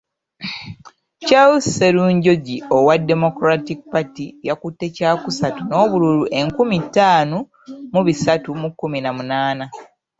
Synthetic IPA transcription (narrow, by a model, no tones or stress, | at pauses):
t͡ʃawuseluːɲɟo̞ɟiowadːe̞mo̞kɾatik̚patijakutːe̞caːkusatuno̞ːβululuʔe̞ŋkumitːaːno | muβisatumukːuminamunaːna